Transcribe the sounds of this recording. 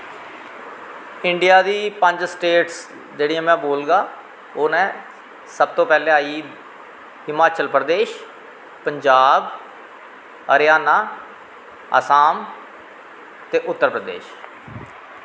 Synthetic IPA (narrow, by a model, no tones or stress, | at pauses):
ɪɳɖɪjaːd̪iːpəɲd͡ʒsʈeːʈs | d͡ʒeːɽɪjãːmɛ̃ːboːlɡaː | oːnɛ̃ː | səb̚t̪õːpɛːleːaːiː | ɪmaːt͡ʃəlpɾəd̪eːʃ | pəɲd͡ʒaːb | əɾjaːnaː | ə̰ːsaːm | t̪eːʔʊt̪ːəɾpɾəd̪ḛːʃ